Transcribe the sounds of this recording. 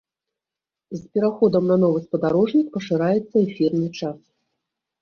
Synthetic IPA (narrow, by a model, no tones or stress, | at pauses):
zpʲɛɾaxɔd̪ɐmnɐn̪ɔvɨspɐd̪aɾɔʐnʲik̚pɐʂɨɾajɛt̪sːɐɛfʲirnɨt͡ʂas